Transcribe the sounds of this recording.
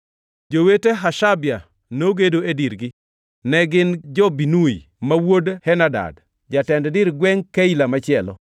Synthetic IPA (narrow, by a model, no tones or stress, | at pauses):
d͡ʒoweteɦaʃabja | noɡedoediɾɡɪ | nɛɡɪnd͡ʒɔbinui | mawodhɛnada̰d | d͡ʒatɛnddɪɾɡwɛŋkailamat͡ʃɪɛlɔ̰